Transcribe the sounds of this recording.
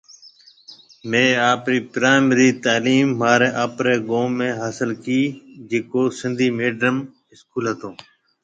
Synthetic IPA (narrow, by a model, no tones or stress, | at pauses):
mẽːaːpɾiːpɾaːɪməɾiːt̪aːliːmːaːɾeːʔaːpɾeːɡõːmːẽːɦaːsɪlkiːd͡ʒeːkoːsɪnd̪ʱiːmeːɖɾəm | ɪskuːlɦət̪õː